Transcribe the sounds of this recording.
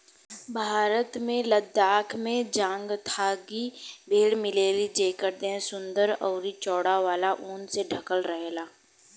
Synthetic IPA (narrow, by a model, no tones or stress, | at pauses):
bʱaːɾət̪mẽləd̪aːkʰmẽd͡ʒãːŋɡt̪ʰaːɡibʱeːɽmɪleːɾid͡ʒeːkəɾd̪ẽsʊ̃nd̪əɾɔ̰ːɾit͡ʃɔːɽaʋaːlaʔuːnseɖʱɐkəlɾəɦeːlaː